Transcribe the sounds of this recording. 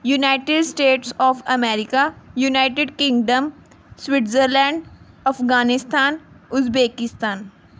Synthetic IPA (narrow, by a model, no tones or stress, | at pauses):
junaːɪʈɪɖsʈeːʈsɔːfɐmɛːɾɪkajunaːɪʈɪɖkɪ̃ŋɡɖəm | swɪʈzəɾlɛ̃ːɳɖ | ɐfɡaːnɪst̪aːnʊzbeːkɪst̪aːn